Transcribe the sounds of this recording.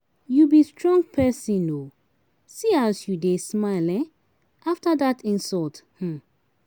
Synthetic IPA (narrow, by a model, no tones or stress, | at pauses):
jubistʰɹɔ̃ŋɡ̚pʰɛsĩno | siasjudesmaɪlɛ̃ | ʔaftadatɪ̃nsɔlth̩